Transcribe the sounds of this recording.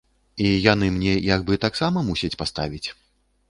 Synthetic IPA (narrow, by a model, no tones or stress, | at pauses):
ijan̪ɨmnʲɛjaɡbɨt̪aksamɐmusʲɐt͡sʲpast̪avʲit͡sʲ